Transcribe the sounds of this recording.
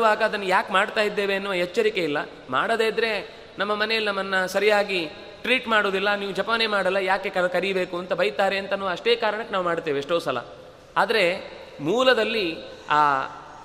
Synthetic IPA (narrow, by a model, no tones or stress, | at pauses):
ʋaːɡɐːd̪ɐnːɐjaːkmaːɽt̪aːjid̪ːe̞ːʋeɐnːuʋɐɦet͡ʃːɐɾike̞ilːɐ | maːɽod̪eːid̪ɾe̞ | nɐmːɐmɐnejɐlːinɐmːɐnːɐsɐɾijaːɡi | ʈɾiːʈmaːɽoːd̪ilːɐniːʋud͡ʒɐpɐne̞ːmaːɽɐlːɐjaːke̞kɐkɐɾibe̞ːkuɐnt̪ɐbɐjt̪aːɾeɐnt̪ɐnuʋɐʂʈe̞ːkaːɾɐɳɐkːenaːʋumaːɽt̪ːeːʋiʂʈoːsɐlɐ̰ | aːd̪ɐɾe̞ | muːlɐd̪ɐlːi | aː